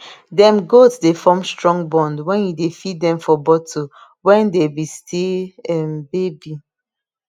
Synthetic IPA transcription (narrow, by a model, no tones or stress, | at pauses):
dɛ̃mɡotsdefɔmstɹɔ̃ŋɡbɔ̃ndwɛ̃njudefidɛ̃mfɔbɔtʰo | wɛ̃ndebistʰeɛmbebi